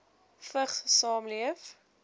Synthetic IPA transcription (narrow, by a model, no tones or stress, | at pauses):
fəχsɑːmliəf